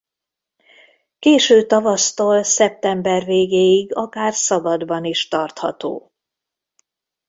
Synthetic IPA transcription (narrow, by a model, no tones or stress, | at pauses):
keːʃøːt̪ɒvɒst̪oːlsɛp̚t̪ɛmbɛrveːɡeːjiɡɒkaːrsɒbɒd̪bɒniʃt̪ɒrt̪hɒ̰t̪o̰ː